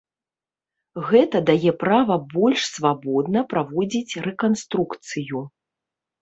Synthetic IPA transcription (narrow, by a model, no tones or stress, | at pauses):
ɣɛt̪ɐd̪ajɛpɾavɐbɔlʲʂsvabɔd̪nɐpɾavɔd͡zʲit͡sʲrɛkanst̪ɾukt̪sɨju